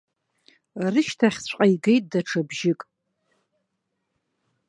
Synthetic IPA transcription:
rɨʃtʰaχʲsʷqʼajɡe̞jtʼdaʈ͡ʂʰabʒɪkʼ

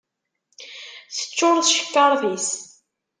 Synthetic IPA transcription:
θə̥t͡ʃːoɾðʃə̥kːɑɾˤðis

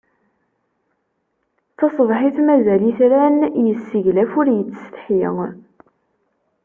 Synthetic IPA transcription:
θɑsˤvħiθmæzæliθɾænjəsːiʝlæfʊɾjət͡sːst̪ħjə̰ŋ

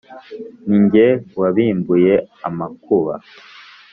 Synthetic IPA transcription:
niɲɟewaβiːmbujeamakʰuβa̰

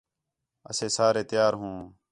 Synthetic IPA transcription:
ə̰seːsaːɾeːt̪ɪjaːɾɦũː

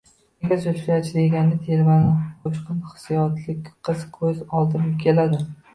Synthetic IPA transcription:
eɡʲasoijat͡ʃʰɪd̪eɡʲanɪt̪ʰeɾmanɪqʰoʃqɨnχɨ̥sijɒt̪ʰlɪkʲqʰːɨzkʰɵzɒlˠd̪ɪnɪp̚kʲʰe̞lad̪ɪ

